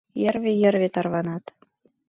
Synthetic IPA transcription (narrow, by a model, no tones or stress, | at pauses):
jərβejə̆rβet̪ɑrβɑnɑt̪